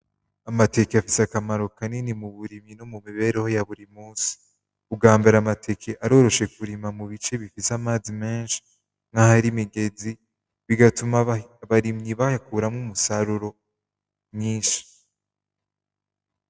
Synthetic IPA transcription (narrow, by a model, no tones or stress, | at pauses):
amate̞keafiseakamaɾo̞kaninimuβuɾimɲinomumiβe̞ːɾeho̞jaβuɾimuːsi̥ | uɡaːmbeɾamatʰe̞kʰe̞ʔaɾo̞ːɾo̞ʃe̞kuɾimamuβit͡ʃe̞βifisamaːzimeːnʃi̥ | ŋahaɾimiɡe̞zi | βiɡatumaβaɾimɲiβaakuɾamŋumusaɾuɾo̞ | mɲiːnʃi̥